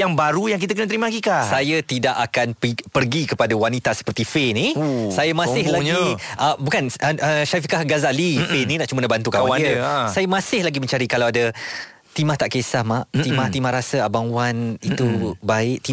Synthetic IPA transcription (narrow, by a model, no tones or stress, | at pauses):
jaŋbaɾujaŋk̬it̪̬akənət̪ɾimaɡikasajət̪idaʔakanppərɡikəpadawanit̪asə̥pərt̪ifenĩsajamãsɪhlaɡiʔəbukanəʃafikahɡazaʔlifɪninaʔt͡ʃumənabant̪ukaaaiəsajəmãsɪhlaɡimə̃ɲt͡ʃaɾikalawada | t̪imaht̪aʔkesahmaʔt̪imaht̪imahɾasəabaŋwanit̪ubaɪʔt̪i